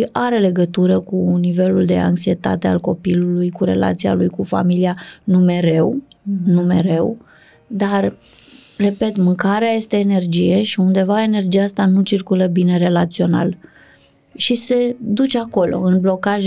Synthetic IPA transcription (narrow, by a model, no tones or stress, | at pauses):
iʔaɾe̞le̞ɡət̪uɾəkunive̞luld̪e̞̰a̰ŋksie̞t̪a̰t̪e̞a̰lko̞pilulujkuɾe̞̰la̰t̪sija̰lujkufa̰milianume̞ɾe̞wnume̞ɾe̞w | d̪ar | re̞pe̞t̪mɨŋkaɾeaje̞st̪e̞ːne̞rd͡ʒije̞ʃiund̪e̞vae̞ne̞rd͡ʒiaast̪anut͡ʃirkuləbine̞ɾe̞lat̪sio̞na̰l | ʃise̞d̪ut͡ʃeako̞lo̞̰ɨnblo̞kaʒ